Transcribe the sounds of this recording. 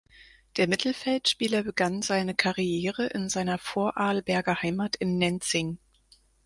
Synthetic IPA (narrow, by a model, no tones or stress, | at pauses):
d̥eːɐmɪtʰl̩fɛltʃpiːlɐbəɡanzaɪnəkʰaʁijeːʁəʔɪ̰nzaɪnɐfoːɐʔaːlbɛɐɡɐhaɪmaːtʰɪnːɛnt͡sɪŋ